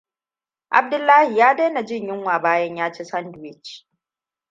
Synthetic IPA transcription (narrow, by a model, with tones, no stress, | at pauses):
ʔa̰˨b̚dʊ˦lːaː˦hi˨jaː˦de˦na˨d͡ʒɪ˦ɲjɪ˦ŋwaː˨baː˦jɐ˦ɲjaː˦t͡ʃeː˦sɐ˦ndʊ˨wɪ˦t͡ʃ